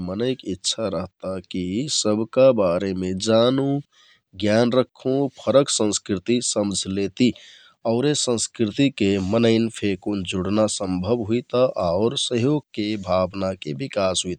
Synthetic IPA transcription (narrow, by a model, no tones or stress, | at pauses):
mənəɪkitːʃʰaɾəɦt̪akisəbʱkabaɾemed͡ʒanu | ɡjanɾəkʰːũpʰəɾəksə̃nskɾit̪isəmd͡ʒʱlet̪i | əʊɾesə̃nskɾit̪ikemənəɪnpʰekond͡ʒuɽnasə̃mbʱəbɦuit̪aʔaʊɾsəɦjoɡkebʱabnakebikasɦuit̪